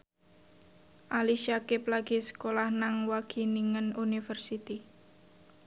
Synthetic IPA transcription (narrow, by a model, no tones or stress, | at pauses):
ʔaliʃakɪplaɡ̥i̤sə̥kolahnaŋwaɡ̥i̤niŋənunifərsit̪i